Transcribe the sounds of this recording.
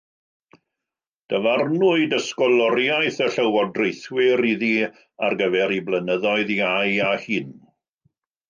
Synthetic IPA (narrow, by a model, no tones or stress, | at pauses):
d̥əvarnʊɨdəskɔlˠɔɾjajθəɬəwɔdrejθwɪɾiði | arɡəvɛɾiblənəðɔɨðiajahɨn